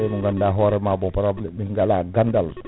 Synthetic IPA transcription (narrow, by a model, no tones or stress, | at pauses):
emuŋɡandaɦɔɾemabɔpaɾablimiŋɡalaɡandal